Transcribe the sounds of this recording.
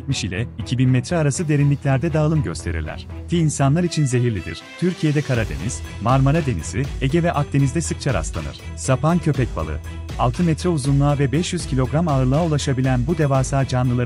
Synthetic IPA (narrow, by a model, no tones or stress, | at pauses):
t̪̚miʃilʲɛicʰibinmɛt̪ʰɾɛaɾasɯd̪e̞ɾinlʲiclʲæɾd̪ɛd̪aːlˠɯmɟø̞̰st̪ʰe̞ɾḭɾlʲæ̰ɾ̥t̪ʰiːnsanlˠaɾit͡ʃʰinze̞ɦiɾlʲid̪ḭɾ̥t̪ʰyɾcʰije̞d̪ɛkʰaɾad̪e̞̰niz̥maɾmaɾad̪e̞nḭzieɟɛvɛʔak̚t̪e̞nizd̪ɛsɯk̚t͡ʃʰaɾa̰stlˠa̰nɯ̰ɾ̥ | sapʰancʰø̞pɛc̚ba̰lˠɯ̰ | alˠt̪ʰɯmɛt̪ɾɛuzunlˠaːvɛbɛʃjyz̥cʰilʲo̞ɡɾamaɯɾlˠaaulˠaʃabilʲænbud̪e̞vaːsaːd͡ʒanlˠɯlˠa